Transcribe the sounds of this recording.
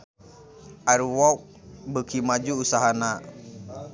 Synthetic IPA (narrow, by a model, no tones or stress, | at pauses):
ʔaɾuwawk̚ | bəkimad͡ʒuːsaɦana